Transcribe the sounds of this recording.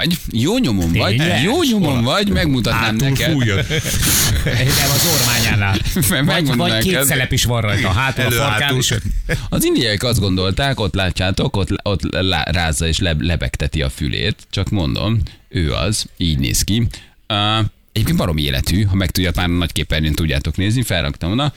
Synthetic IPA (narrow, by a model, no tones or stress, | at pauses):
ɟ | joːɲo̞momvɒɟjoːɲomomvɒɟmɛɡmut̪ɒt̪naːmnɛkɛd̪ | ɛɔzormaːɲaːnalɛmɛɡmot̪ɒnɛkesɛlɛpiʃʋɒnrɒjt̪ɔɦaːt̪ø | ɒzind̪ijɒikɒzd̪ɡo̞nd̪o̞lt̪aːko̞t̪laːcːaːt̪o̞ko̞t̪lo̞t̪la̰ra̰ːzːɒeːʃlɛlɛbɛ̰kt̪ɛt̪iɒ̰fy̰lʔḛːt̪t͡ʃɒkmo̞nd̪o̞̰møːɒ̰ziːɟnḛːski | ɛɟeːpkenvɒɾo̞miḛːlʔɛ̰t̪yːɦɒmɛk̚t̪uɟːɒt̪maːrnɒckeːpːɛnent̪uɟːa̰ːt̪o̞kneːznifɛlrʔɒ̰kt̪ɒmonɒ